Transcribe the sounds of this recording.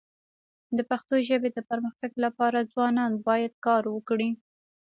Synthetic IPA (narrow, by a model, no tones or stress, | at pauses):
d̪əpaxt̪oʒəbed̪əpaɾməxt̪aɡlapɑɾazwɑnɑnbɑjad̪̚kɑɾwəkɽi